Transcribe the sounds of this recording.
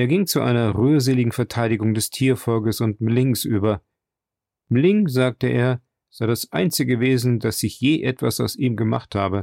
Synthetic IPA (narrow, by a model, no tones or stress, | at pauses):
ʔeːɐɡɪŋt͡suʔa̰ɪnɐʁyːɐzeːlɪɡŋ̩fɛɐtʰaɪɾɪɡʊŋdɛstʰiːɐfɔlkəsʊnt̚mlɪŋsʔyːbɐ | mlɪŋzaːk̚təʔḛːɐ | z̥aɪdasʔa̰ɪnt͡sɪɡəveːzn̩dasɪçjeːʔɛtv̥a̰saʊsiːmɡəma̰χthaːbə